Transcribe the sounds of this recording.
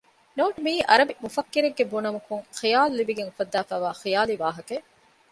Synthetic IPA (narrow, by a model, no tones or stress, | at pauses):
noːʈumiːʔɐɾɐbimufɐkːiɾeɡːebunɐmukuŋχijaːluliʋiɡeŋufɐd̪ːaːfæːʋaːxijaːliʋaːɦɐke